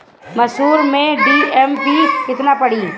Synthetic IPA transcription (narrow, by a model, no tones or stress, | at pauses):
mɐʃɦuːɾmẽɖiɛmpikɪt̪napɐɽi